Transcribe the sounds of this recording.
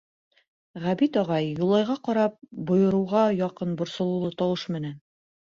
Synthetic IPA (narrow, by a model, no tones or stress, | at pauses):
ʁæbit̪ɒʁɑjːulˠɑjʁɑqɒɾɑp̚bŏjɤ̆ɾŭwʁɑjɑqɤnbŏɾsŏlˠɤ̆wlˠɤt̪ɑwɤʃmɘ̆næn